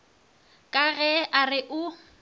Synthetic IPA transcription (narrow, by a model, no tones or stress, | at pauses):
kʼaɣɛarɪʔʊ